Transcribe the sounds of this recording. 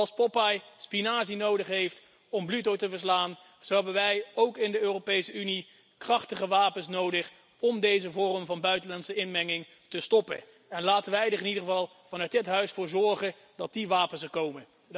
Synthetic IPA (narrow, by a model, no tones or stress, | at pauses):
ɑlˠspɔpajspinaːzinowdəχɦejft | ɔmblytowtəvəɹs̬laːn | z̥oɦɛbənʋɛjowkɪndəøːrowpejsəyni | krɑχtəχəʋaːpənsnowdəχ | ɔmdejzəvʊːrəmvɑnbœɥtənlɑntsəɪnmɛŋɪŋ | təstɔpə̰n | ɛnlaːtənʋɛjdɪχɪnidəχəvɑlˠ | v̥ɑnœɥt̚dɪtɦœɥsfʊːɹzɔɹχə | dɑt̚diʋaːpənsəkowmə